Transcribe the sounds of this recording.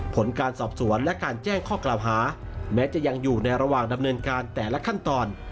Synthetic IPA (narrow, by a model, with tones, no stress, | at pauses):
pʰo˩˦nkaː˧nsɔː˨˩p̚su˩˦ənlɛ˦˥kaː˧nt͡ɕɛː˥˩ŋkʰɔː˥˩klaː˨˩wɦaː˩˦ | mɛː˦˥t͡ɕa˨˩ja˧ŋjuː˨˩na˧jɾa˧waː˨˩ŋda˧mnɤː˧nkaː˧nt̪ɛː˨˩lɛ˦˥kʰa˥˩nt̪ɔː˧n